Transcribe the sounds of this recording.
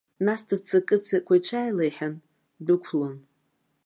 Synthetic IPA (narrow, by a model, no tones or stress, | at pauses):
nasdʰat͡sʰɨkʼɨt͡sʰakʷʰajt͡ʃʷʰajlejħan | dɨkʷʰlon